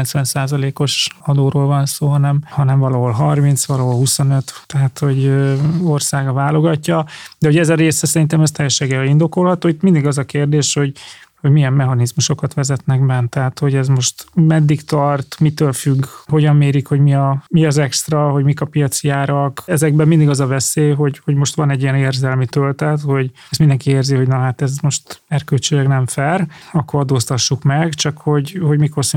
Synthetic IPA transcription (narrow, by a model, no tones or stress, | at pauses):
nsʋɛnsaːzɒleːko̞ʃɒd̪oːɾoːlvɒnsoːɦɒnɛmhɒnɛɱvɒlɒɦo̞lɦɒrmint̪sʋɒlɒɦo̞lɦuso̞nøt̪ːɛɦat̪ho̞ɟøorsaːɡɒvaːlo̞ɡɒcːɒd̪ɛho̞ɟɛzɒɾeːsɛsɛɾint̪ɛmɛst̪ɛjːɛʃeɡɛind̪o̞ko̞lɦɒt̪oːit̪mind̪iɡɒzɒkeːrd̪eːʃho̞ɟho̞ɟmijɛmːɛɦɒnizmuʃo̞kɒt̪ʋɛzɛt̪nɛɡbɛnt̪ɛɦat̪ho̞ɟɛzmo̞ʃt̪mɛd̪ːikt̪ɒrt̪mit̪øːlfyɡːɦo̞ɟɒmːeːɾikho̞ɟmiɒmiɒzɛkst̪rɒɦo̞ɟmikɒpijɒt̪sjaːɾɒkɛzɛɡ̚bɛmmind̪iɡɒzɒvɛseːɦo̞ɟhoɟmo̞ʃt̪ʋɒnɛɟːiɛneːrzɛlmit̪ølt̪ɛt̪ho̞ɟ | ɛstmind̪ɛŋkieːrziɦo̞ɟnɒɦaːt̪ɛzmo̞ʃt̪ɛrkølt͡ʃeːlɛɡnɛɱfɛrɒkːoɾɒd̪oːst̪ɒʃːukmɛɡt͡ʃɒkho̞ɟho̞ɟmiko̞rs